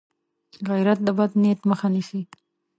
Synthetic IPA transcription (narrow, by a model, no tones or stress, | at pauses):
ɣajɾat̪̚d̪əbad̪net̪məxanisi